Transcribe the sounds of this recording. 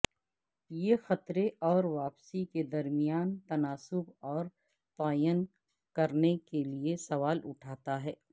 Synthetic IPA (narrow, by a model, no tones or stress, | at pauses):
jexɐt̪ɾeʔɔːɾʋaːpsiked̪ɐɾmɪijaːnt̪ɐnaːsʊbɔːɾ | t̪aːjən | kɐɾnekeliesɐʋaːlʊʈʰaːt̪aɦɛː